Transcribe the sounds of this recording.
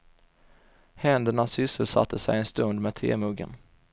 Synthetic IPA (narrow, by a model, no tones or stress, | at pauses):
hɛnd̪əɳasʏsəlsa̰t̪ʰːəsɛjɛnst̪ɵnd̪mɛːd̪̚t̪ʰvḛːmɵɡə̰n